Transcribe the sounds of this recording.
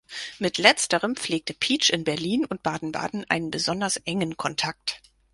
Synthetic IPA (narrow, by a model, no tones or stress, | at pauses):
mɪtlɛt͡stəʁəmp͡fleːk̚təpʰiːt͡ʃɪnbɛɐliːnʊnt̚b̥aːdn̩ba̰ːdn̩ʔa̰ɪnənbəzɔndɐsʔɛŋənkʰɔntʰak̚t